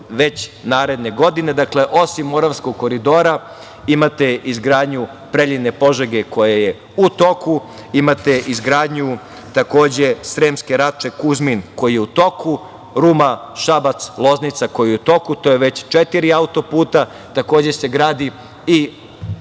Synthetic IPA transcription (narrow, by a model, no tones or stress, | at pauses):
ʋe̞t͡ɕnaːɾe̞d̪ne̞ɡo̞d̪ine̞d̪akle̞ʔo̞simːo̞ɾaʋsko̞ɡ̚ko̞ɾid̪o̞ːɾa | imat̪e̞izɡɾaːd̪ɲu | pɾeʎine̞po̞ʒeɡe̞ko̞jaje | ut̪o̞ku | imat̪e̞ʔizɡɾaːd̪ɲu | t̪ako̞ːd͡ʑe̞sɾeːmskeɾat͡ʃe̞kuzminko̞jijeut̪o̞ku | ɾumaʃabat̪slˠo̞znit̪sako̞jijut̪o̞kut̪o̞jeʋe̞t͡ɕt͡ʃet̪iɾiaut̪o̞puːt̪a | t̪ako̞ːd͡ʑe̞se̞ɡɾaːd̪i | i